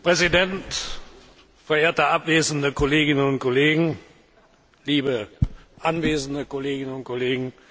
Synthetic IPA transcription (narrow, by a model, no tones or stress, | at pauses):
pʁ̥ɛzidɛnt | fɛɐʔeːɐtəʔapv̥eːzn̩dəkɔleːɡɪnənʊnt̚kʰɔleːɡŋ̩ | liːbəʔanveːzn̩dəkɔleːɡɪnənʊnt̚kʰɔleːɡŋ̩